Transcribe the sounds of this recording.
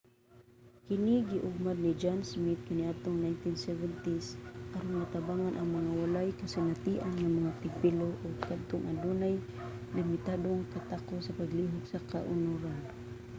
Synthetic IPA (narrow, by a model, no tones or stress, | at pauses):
kɪniɡiʔʊɡ̚mad̪̚nid͡ʒansmit̪̚kaniad̪̚t̪oŋnajnt̪insɛvɛnt̪isʔaɾʊnmat̪abaŋanʔaŋmaŋawalajkasɪnat̪iʔanŋamaŋat̪ɪɡ̚piloʔoɡ̚kad̪̚t̪oŋʔa̰dunaj | lɪmɪt̪ad̪oŋkat̪akosapaɡliɦʊɡsakaʔʊnuɾan